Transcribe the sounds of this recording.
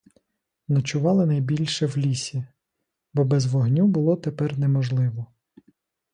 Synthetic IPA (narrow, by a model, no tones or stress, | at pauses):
nɐt͡ʃʊʋɑlˠɪnɐjbʲilʲʃɛwlʲisʲi | bɔbɛzʋɔɦnʲubʊlˠɔt̪epɛrnɛmɔʒlˠɪʋɔ